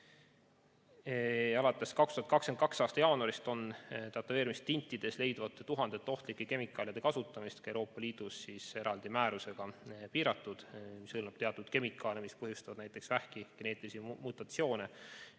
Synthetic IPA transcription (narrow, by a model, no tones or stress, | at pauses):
ɑlɑt̪ːˑe̞skɑkst̪uhɑt̪kɑksken̚kɑksɑːst̪ɑjɑːnuɑɾist̪o̞nt̪ɑt̪ːˑɑve̞ːɾimist̪ːinʲt̪ːˑid̪̥e̞sle̞jd̪vɑt̪ːˑet̪uɦɑnd̪̥e̞t̪ːeo̞ht̪likːˑeke̞mikːˑɑːljid̪̥e̞kɑsut̪ːˑɑmist̪kɑewɾo̞ːpːɑliːd̪̥usːiːse̞ɾɑld̪̥imæːɾuse̞ɡ̥ɑpiːɾɑt̪ːˑud̪̥misɯlnɑb̥t̪e̞ɑt̪ːud̪̥ke̞mikːˑɑlemispɤɦjust̪ɑvɑd̥̪næjt̪ːˑe̞ksvæhkiɡ̥e̞ne̞ːt̪ːˑlisimut̪ːˑɑt̪sio̞ːne